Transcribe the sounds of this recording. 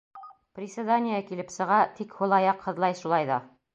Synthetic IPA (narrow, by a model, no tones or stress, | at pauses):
prʲɪsʲɪd̪anʲɪjəkilɘpsɤ̆ʁɑt̪ikhŭlˠɑjɑqhɤ̆ðlˠɑjʃulˠɑjðɑ